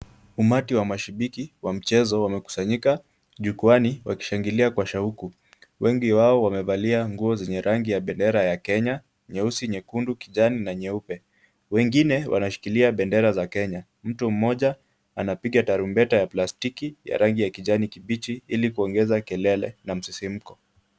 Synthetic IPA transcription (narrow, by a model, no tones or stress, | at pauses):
umatiwamaʃiɓikiwam̩t͡ʃɛzɔwamɛku̥saɲika | ʄukuaniwaki̥ʃaŋɡiliakwaʃauku | wɛŋɡiwaɔwamɛvaliaŋɡuɔzɛɲɛɾʔaŋɡijaɓɛndɛɾajakɛɲa | ɲɛusiɲɛkundukiʄaninaɲɛupɛ | wɛŋɡinɛwʔa̰naʃi̥kiliaɓɛndɛɾazakɛɲa | m̩tum̩mɔʄa | anapiɡataɾumbɛtajaplastikija̰ɾaŋɡijakiʄanikiɓit͡ʃiilikuɔŋɡɛzakɛlɛlɛ̰nam̩sisim̩kɔ